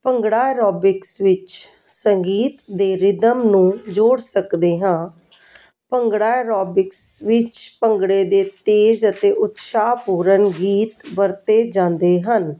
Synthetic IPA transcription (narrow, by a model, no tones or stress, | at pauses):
pəŋɡɽaːeɾɔːbɪksʋɪt͡ʃ | səŋɡiːt̪d̪eːɾɪd̪əmnũːd͡ʒoːɽsəkd̪eːɦãː | pəŋɡɽaːɾɔːbɪksʋɪt͡ʃpəŋɡɽeːd̪eːt̪eːd͡ʒət̪eːʔʊt̪ʃaːpuːɾənɡiːt̪ʋəɾt̪eːd͡ʒãːnd̪eːɦən